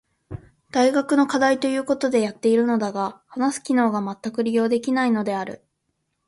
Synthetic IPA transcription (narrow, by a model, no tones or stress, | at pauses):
d̪̥aiɡakɯ̟no̞kad̪ait̪o̞jɯ̟ːko̞t̪o̞d̪e̞jat̪ːe̞iɾɯ̟no̞d̪aɡahanasɨ̥kʲino̞ːɡamat̪ːakɯ̟ɾʲijo̞ːd̪e̞kʲinaino̞d̪e̞aɾɯ̟̰